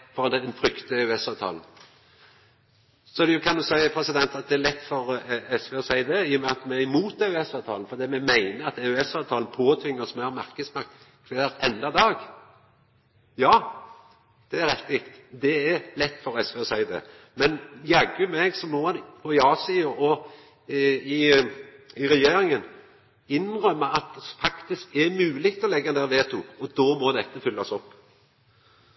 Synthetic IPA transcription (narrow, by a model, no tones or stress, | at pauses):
fɔʁɑnt̪ɛd̪ɛnfɾʏkt̪əɛʉɛsɑːʋt̪ʰɑ̰ːln | sɔd̪ʊkʰɑnd̪ʉsæɪpʰɾɛsɪd̪ɛnt̪ɑt̪̚d̪ɛæɾlɛt̪ːfɔɾɛsʋeːɔsæɪəd̪ɛɪːɔmɛɑt̪mɛɪmuːt̪æʉɛsɑːʋt̪ʰɑːln̩fɔɾd̪iːmɛmæɪnəɑt̪ɛʉɛsɑːʋt̪ʰɑːln̩pʰoːt̪ʰʋɪŋːəsmɛhɑɾmæɾkəsmɑk̚t̪ | kʰʋæːɾɛnd̪ɑd̪ɑːɡ | jɑː | d̪̥ɛæɾɛt̪ɪkt̪d̪ɛɛɾlɛt̪ːfɔɾɛsʋɛːɔsæɪd̪ɛ̰ | mɛnjɑɡʉmɛɡsɔmːɔɑnpʰɔɪɑːsiːəʔɔ | ɪ | ɪɾɛjeːɾɪŋən | ɪnʁœmːəʔɑt̪̚fɑkt̪ɪskɛɾmʉːlɪɡt̪ɔlɛɡːəɛnd̪æːɾʋeːt̪ʰʊɔd̪oːmɔd̪ɛt̪ːəfʏlːɑsɔpː